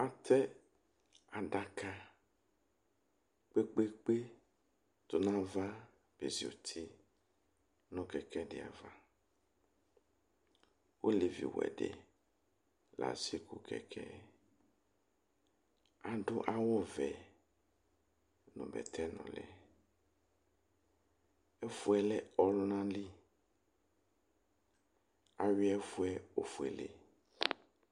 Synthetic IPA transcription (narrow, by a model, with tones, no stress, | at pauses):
a˦t̪ʰɛ˦ | a˨ɖa˦ka˦ | k͡pe˦k͡pe˦k͡pe˦ | t̪o˨nã˦va˦ | b̥e˨zi˨o̰˨t̪ʰi˦ | nɔ̃˦kɛ˨kɛ˦ɖe˨a̰˨va˦ | ʔo˦le˨vḭ˨wɛ̰˨ɖḛ˨ | la̰˨si˦ku˦kʰɛ̰˨kʰɛ˦ | a˨dʊ˦ʔa˦wɔ˦vɛ˨ | nʊ̰̃˨bɛ̰˨t̪ʰɛ˦nɔ̰̃˨lɛ̰˨ | ɛ˦fu˦ɛ˦lɛ˦ɔ˨lʊ˦nã˦li˦ | a˨ɥɪ˦ɛ˦fu˦ɛ˦o˨fu˨ɛ˨lḛ˨